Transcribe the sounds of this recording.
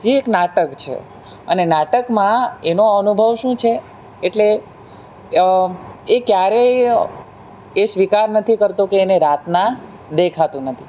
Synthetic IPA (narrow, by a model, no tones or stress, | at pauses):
d͡ʒeeknaʈəkt͡ʃʰḛ | ənenaʈəkmãenoənubʱəʋʃũt͡ʃʰeː | ʈle | kjaɾe | esʋikaɾnət̪ʰikəɾt̪okeːneɾat̪nã | d̪ekʰat̪ũnət̪ʰi